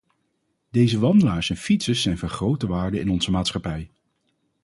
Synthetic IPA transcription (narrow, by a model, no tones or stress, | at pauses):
dejzəʋɑndəlaːɹsɛnfitsəsːɛjnvɑnχrowtəʋaːɹdəɪnɔnzəmaːtsχɑpɛj